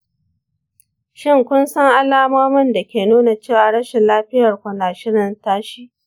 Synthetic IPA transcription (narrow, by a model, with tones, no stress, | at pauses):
ʃɪ˦ŋkʷʊ˦nsɐ˦ŋʔa˦laː˦maː˦mʊ˦nda˨kʲeː˨nuː˦na˨t͡ʃeː˦˨waː˨ɽɐ˦ʃɛ˨laː˦ɸɪ˦jɐ˨rkʷʊ˨naː˨ʃɪ˦ɽɪ˨ntaː˦ʃiː˦